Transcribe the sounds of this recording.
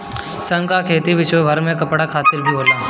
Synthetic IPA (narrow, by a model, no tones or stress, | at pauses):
sɐ̃ŋkakʰeːt̪iʋɪt͡ʃobʱɐɾmẽkɐpɽakʰaːt̪ɪlbʱiɦoːlaː